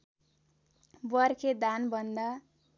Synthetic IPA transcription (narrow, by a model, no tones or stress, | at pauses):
bʌrkʰed̪anbʱʌnd̪a